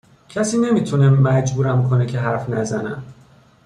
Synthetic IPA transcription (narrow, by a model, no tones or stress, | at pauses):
cʰæsiːne̞miːt̪ʰunemæd͡ʒbuːɾæmkʰo̞necʰeɦæɾfnæzænæm